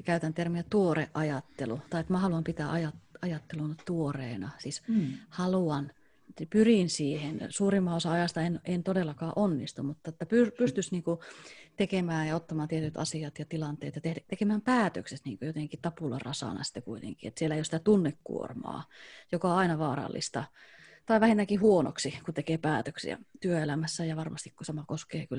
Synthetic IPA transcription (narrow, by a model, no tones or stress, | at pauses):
kæyt̪ænt̪ermiæt̪uoreʔɑjɑt̪ːelut̪ɑiet̪mæhɑluɑmpit̪æːʔɑjɑtɑjɑt̪ːelunt̪uoreːnɑsishɑluɑn | pyrinsiːhensuːrimːɑosɑɑjɑst̪ɑenent̪odelːɑkɑːʔonːist̪ummut̪ːɑet̪ːæpypyst̪ysniːŋkut̪ekemæːjjɑot̪ːɑmɑːnt̪iet̪yt̪ɑ̰siɑt̪jɑt̪ilɑnt̪ḛːt̪jɑt̪et̪ekemæːmpæːt̪øksesniːŋkøjot̪eŋkit̪ɑpulɑ̰rʔɑsɑ̰nɑ̰si̥t̪ːekuit̪ḛŋkiḛt̪sielːæeijosit̪æt̪unːekkːṵo̰rmɑ̰ːjokɑɑinɑʋɑːɾɑ̰lːḭst̪ɑt̪ɑiʋæhint̪ːækihuono̰ksikut̪ekeːpæːt̪øksḭæ̰t̪yøelæmæsːæjɑʋɑrmɑst̪ikkusɑmɑkoskḛːkyl